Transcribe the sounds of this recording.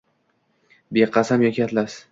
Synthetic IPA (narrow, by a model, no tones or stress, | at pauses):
beqʰɑsamjɒkʲʰat̪las